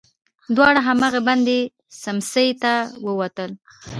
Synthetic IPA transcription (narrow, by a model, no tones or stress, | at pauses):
d̪wɑɽaɦamɑɣaband̪e | samsəjt̪awəwat̪əl